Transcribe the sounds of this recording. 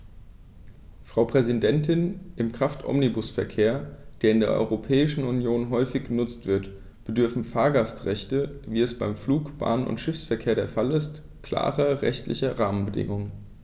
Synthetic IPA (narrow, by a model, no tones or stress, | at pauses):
fʁ̥aʊpʁ̥ɛzidɛntɪnʔɪmkʁ̥aftʰʔɔ̰mnibʊsfɛɐkʰeːɐd̥eːɐɪndeːɐʔɔ̰ʏʁopʰɛːɪʃn̩unjoːnɦɔʏfɪçɡ̥ənʊt͡stv̥ɪɐt | b̥ədʏɐfn̩faːɐɡastʁɛçtəviːɛsb̥aɪmfluːkb̥a̰ːnənʊ̰ntʃɪfsfɛɐkʰeːɐɾeːɐfalɪst | kl̥a̰ːʁɐʁɛ̰çtlɪ̰çɐʁaːmənbədɪ̰ŋʊŋ